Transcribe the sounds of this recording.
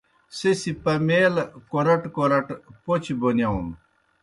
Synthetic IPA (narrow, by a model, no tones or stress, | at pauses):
sesipɐmeːlkoɾɐʈkoɾɐʈpot͡ɕibonjɐum